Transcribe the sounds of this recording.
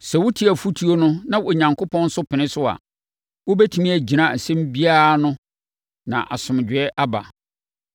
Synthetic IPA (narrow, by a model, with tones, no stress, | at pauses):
sɛ˨wʊ˦tʰi˦æ˨fu˦tʰi˦o˦nʊ̃˦nã˦wo˨ɲã˨ŋkʰʊ˦pʰɔ̃˦n̩˦sʊ˦pʰɪ˨nɪ̃˦sʊ˦a̰˨ | wo˦bɛ˦tʰi˨˦mĩ˦æ˨d͡ʑi˨nã˨n̩˨sɛ̃˦mbi˦a˦˨nʊ̃˦ | nã̰˨ʔa˨sʊ̃˨m˨d͡ʑᶣɪ˨ɛ˦ʔa˦ba̰˨